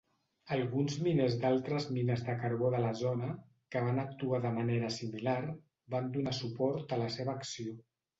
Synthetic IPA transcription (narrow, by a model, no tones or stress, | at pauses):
əlˠɣunzminezd̪alˠt̪ɾəzminəzðəkəɾβoðələzonə | kəβ̞anək̚t̪uaðəməneɾəsimilar | band̪unasupɔɾt̪ələseβəːksio